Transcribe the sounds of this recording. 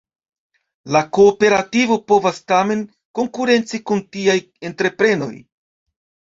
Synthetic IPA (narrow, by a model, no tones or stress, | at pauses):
lakoːpe̞ɾativo̞po̞vastame̞n | ko̞ŋkuɾe̞nt͡sikuntiaj | e̞ntɾe̞pɾe̞no̞̰j